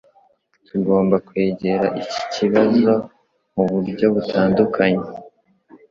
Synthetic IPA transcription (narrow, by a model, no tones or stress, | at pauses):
tuɡo̞ːmbakwe̞ːɟe̞ɾaʔici̥ciβazo̞ | muβuɾɟo̞βutʰaːndukʰaɲe